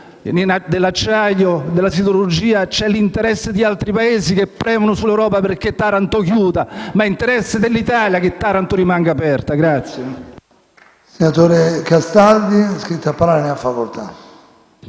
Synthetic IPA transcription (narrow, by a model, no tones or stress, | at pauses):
ninad̪elːat͡ʃːaʎːod̪elːasit̪oɾud͡ʒiːat͡ʃɛlːint̪eɾɛsːed̪ialt̪ɾipaeːzik̟epːɾɛːvonʊsulɛwɾɔːpaperk̟et̪ːaɾant̪okjuːd̪amaɛint̪eɾɛsːed̪elːit̪aːljak̟et̪ːaɾant̪oɾimaŋɡaːpɛrt̪aɡɾat̪sje | senat̪oːɾekast̪ald̪iskɾit̪ːapːaɾaɾaniafakolt̪a